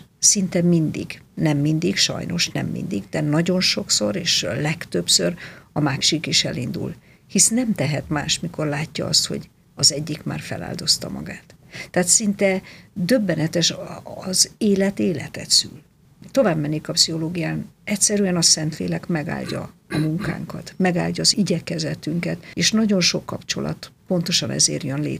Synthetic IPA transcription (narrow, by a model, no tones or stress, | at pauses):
sint̪ɛmind̪ḭɡnɛmːind̪ikʃɒ̰jno̞̰ʃnɛ̰mːḭnd̪iɡd̪ɛnɒɟo̞nʃo̞kso̞ɾeːʃlɛkt̪ø̞psørɒmaːʃikiʃɛ̰lind̪ṵl | hisnɛmt̪ɛɦɛt̪ma̰ːʃmiko̞rlaːcːɒ̰ɒst̪ho̞̰ɟ | ɒzɛɟːikma̰ːrfɛ̰la̰ːld̪o̞st̪ɒ̰mɒ̰ɡaːt̪ː | ɛːt̪sint̪ɛd̪ø̞bːɛnɛt̪ɛʃːzeːlɛt̪eːlɛ̰t̪ɛt̪sy̰l | t̪o̞vaːbmɛnːikɒpsio̞loːɡijaːnɛcsɛɾyɛnɒsɛnt̪lḛːlɛkmɛɡa̰ːlɟɒ̰ɒmuŋka̰ːŋkɒt̪mɛɡa̰ːlɟɒːziɟɛkɛzɛt̪yŋkɛt̪eːʃnɒɟo̞nʃo̞kːɒpt͡ʃo̞̰lɒ̰t̪po̞nt̪o̞ʃɒnʔɛ̰zḛːrjønlḛː